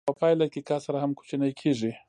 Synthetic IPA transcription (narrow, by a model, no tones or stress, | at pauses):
pəpɑjlakekɑsaɾahamku̥t͡ʃinajkʰeʐi